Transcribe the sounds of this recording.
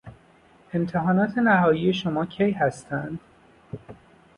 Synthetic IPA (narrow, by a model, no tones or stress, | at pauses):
e̞mt̪ʰeɦɒːnɒːt̪ʰe̞næɦɒːjiːje̞ʃomɒːcʰejhæst̪ʰænd̪̥